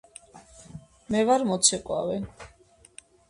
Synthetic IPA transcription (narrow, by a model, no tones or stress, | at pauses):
mɛvaɾmɔt̪sʰɛkʼwa̰vɛ